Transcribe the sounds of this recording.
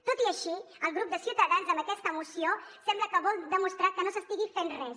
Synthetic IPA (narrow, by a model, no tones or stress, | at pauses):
t̪ot̪iəʃi | əlˠɣɾup̚d̪əsjiut̪əðanzə̃mbəkɛst̪əːmusiosɛmbləkəβɔlˠd̪əmust̪ɾakənosəst̪iɣifenrɛs